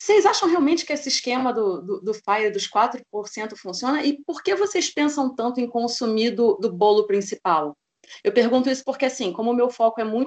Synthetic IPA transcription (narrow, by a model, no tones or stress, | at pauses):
sejzaʃɐ̃w̃ɦeawmẽnt͡ʃɪ̥kɪesɪːʃkẽmɐd̪ʊd̪ʊd̪ʊfajɾd̪ʊskwat̪ɾʊpoɾsẽnt̪ʊfũsiõnɐʔɪpoɾkevosejspẽsɐ̃w̃t̪ɐ̃nt̪ʊẽj̃kõsumid̪ʊd̪ʊbolʊpɾĩsipaw | ewpeɾɡũnt̪ʊisʊ̥poɾkeasĩkõmʊːmewfɔkʊɛmũj̃